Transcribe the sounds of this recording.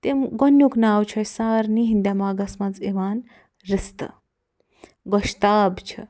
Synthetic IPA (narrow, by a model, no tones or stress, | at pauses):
t̪emɡɔnjuknaːwt͡ʃʰɐjsaːɾniɦind̪ʲjamaːɡɐsmad͡zeʋaːn | ɾist̪ə̰ | ɡɔʃt̪aːbt͡ʃʰḭ